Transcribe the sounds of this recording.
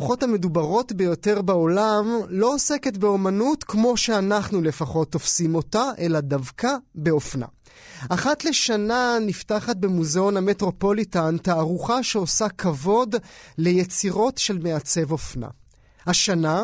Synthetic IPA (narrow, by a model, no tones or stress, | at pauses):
χo̞thame̞dubaʁo̞tbe̞jo̞te̞ʁbao̞lamlo̞ose̞ke̞tbe̞o̞manutkmo̞ʃe̞anaχnule̞faχo̞t̪ːo̞fsimo̞taʔe̞ladavkabe̞o̞fna̰ | aχatle̞ʃananiftaχat̚be̞muzeoname̞tʁo̞po̞litantaːʁuχaʃeo̞sakʰavo̞dle̞jet͡siʁo̞tʃe̞lme̞at͡se̞vo̞fna̰ | haʃana